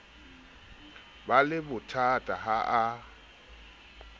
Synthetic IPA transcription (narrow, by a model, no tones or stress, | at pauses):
balɪbʊtʰatʼaɦaʔa